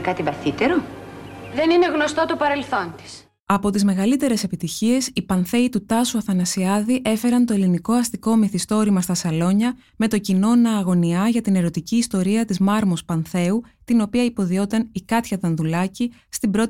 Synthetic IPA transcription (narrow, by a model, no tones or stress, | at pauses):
kɐt̪ivɐθit̪eɾo̞ | ðe̞nine̞ɣno̞st̪o̞t̪opɐɾe̞lθo̞nt̪i̥s | ɐpo̞t̪izme̞ɣɐlit̪e̞ɾe̞se̞pit̪içie̞sipɐnθe̞it̪ut̪ɐsuɐθɐnɐsiɐðiʔe̞fe̞ɾɐnt̪oeliniko̞ɐst̪iko̞miθist̪o̞ɾimɐst̪ɐsɐlo̞ɲɐ | me̞t̪o̞cino̞nɐːɣo̞niɐʝɐt̪ine̞ɾo̞t̪iciːst̪o̞ɾiɐt̪izmɐɾmo̞spɐnθe̞u | t̪ino̞piɐipo̞ðio̞t̪ɐnikɐt̪çɐt̪ɐnðulɐcist̪ibɾo̞t̪